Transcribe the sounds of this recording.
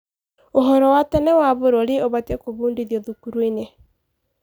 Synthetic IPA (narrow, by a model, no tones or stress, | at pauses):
oɦɔɾɔwatɛnɛwaβoɾɔɾeoβatɛkoβuːndiðjɔðukuɾwine